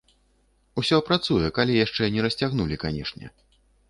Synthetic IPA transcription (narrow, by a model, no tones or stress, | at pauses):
usʲɔpɾat̪sujɛkalʲijaʂt͡ʂɛnʲɛɾɐsʲt͡sʲaɣnulʲikanʲɛʂnʲɛ̰